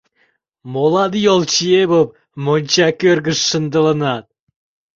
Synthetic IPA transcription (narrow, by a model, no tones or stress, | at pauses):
molˠɑd̪jolˠt͡ɕiebop̚ | monʲt͡ɕɑkʲørɡəʃːənd̪ə̆lˠə̆nɑt̪̚